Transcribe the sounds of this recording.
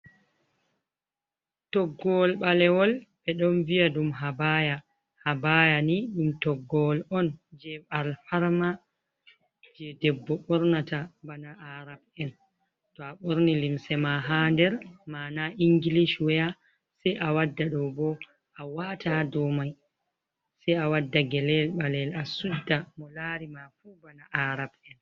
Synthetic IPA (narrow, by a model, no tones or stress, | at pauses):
tɔɡːɔlɓalɛwɔlɓɛɗɔnviaɗumɦabaja | habajaniɗumtɔɡːɔlɔnd͡ʒɛɓalfaɾma | d͡ʒɛdɛbːɔɓɔɾnatabanaʔaɾabɛn | tɔaɓoɾnilimsɛmaɦandɛɾmanaʔiŋɡiliʃwɛja | sɛjʔawadːaɗɔbɔ | ʔawatʰadɔmaj | sɛjawadːaɡɛlɛlɓalɛlasudːamɔlaɾimafubanaʔaɾabɛn